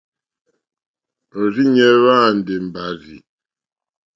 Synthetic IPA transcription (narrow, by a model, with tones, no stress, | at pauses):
o˨ɾi˦ɲɛ˦βa˦˨n˨de˨m̩˨ba˨zḭ˨